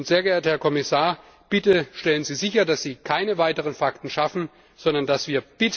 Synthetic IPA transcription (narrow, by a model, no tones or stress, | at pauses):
ʊntz̥eːɐɡəeːɐthɛɐkʰɔmɪsaːɐ | b̥ɪtəʃtɛlənziːzɪçɐdasz̥iːkʰaɪnəvaɪtəʁ̞ənfaktn̩ʃafn̩ | z̥ɔndɐnd̥asv̥iːɐb̥ɪt